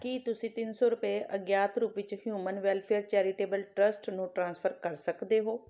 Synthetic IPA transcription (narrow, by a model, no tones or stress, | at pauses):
kiːt̪ʊsĩt̪ɪnsoɾʊpeʔɐɡjaːt̪ʰɾuːpʋɪt͡ʃʊɦjuːmənʋelfʰeəɾt͡ɕɛːɾɪʈeːbəlʈɾɐsʈnũʈɾãːnsfʰəɾkɐɾsɐkʰd̪eɦoː